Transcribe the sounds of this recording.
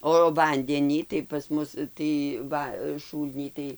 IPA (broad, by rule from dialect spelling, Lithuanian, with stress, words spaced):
oː ˈʋɐnʲdʲɛnʲiː tɐɪ pɐs ˈmʊs tɐɪ ˈʋɐ ˈʃuːlʲnʲiː tɐɪ